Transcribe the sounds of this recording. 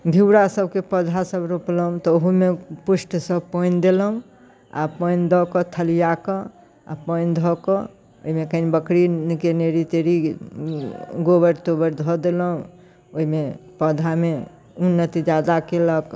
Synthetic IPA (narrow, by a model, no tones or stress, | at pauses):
bʱiwɾasəb̚ʱkepəd̪ʱasəbɾopləɦũt̪ɔoɦumepusʈsəbpənd̪eləũ | a̰pənd̪ʱɔkɔt̪ʰəlijakɔ̃ | a̰pəjnd̪ʱɔkɔ | oimekəinbəkɾinkeneɾit̪eɾi | ɡobəɾt̪obəɾd̪ʱɔd̪eləɦũ | oimepəd̪ʱame | unːət̪id͡ʒad̪akelək